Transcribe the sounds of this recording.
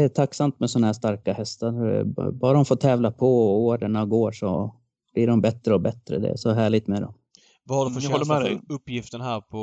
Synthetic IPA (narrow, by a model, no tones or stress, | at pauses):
d̪ɛːt̪ʰakːsamt̪mɛsɔnahæʂt̪aɾkahɛst̪aɾbɑːɾaɔmfoːt̪ʰɛːvlapʰɔɔoːɖəɳaɡoːʂɔ̰ | b̥liːɖɔmbɛt̪ːɾəɔbɛt̪ːɾə̰d̪ɛ̰æ̰ʂɔɦæːɭɪɡ̚t̪mɛd̪ɔ̰m | vahaɖfœɔːɛɛɵpːjɪft̪ənæːɾpʰɔ